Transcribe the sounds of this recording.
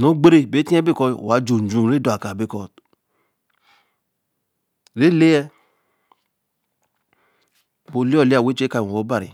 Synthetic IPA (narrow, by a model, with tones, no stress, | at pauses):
nõ˦ɡ͡be˦ɾe˦˨be˨˦tĩ˦ɛ˦be˦˨kɔ˧˨a˨˦d͡ʒu˨d͡ʒũ˧˦˨ɾe˦dɔ˦˨a˨ka˨be˦˨kɔ˧ | ɾe˨˦le˦ɛ˧ | bo˧˦li˦ɔ˦˨le˦a˨we˦t͡ʃe˦ka˧˨wɔ̃˨wɔ˨˦ba˦˨ɾḭ˨